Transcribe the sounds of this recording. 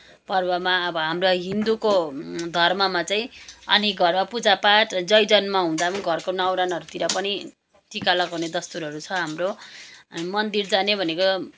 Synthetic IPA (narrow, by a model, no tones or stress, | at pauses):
pʌrbʌmaʌbʌɦamroɦind̪ukod̪ʱʌrmʌmat͡saĩʌnekɡʱʌrmapud͡zapaʈd͡zʌjd͡zʌnmaɦũd̪amʌniɡʱʌrkonʌwɾanʌɾut̪iɾʌpʌni | t͡sikalʌkʌwned̪ʌst̪uɾʌɾut͡sʰʌɦamro | mʌnd̪ird͡zanebʱʌneko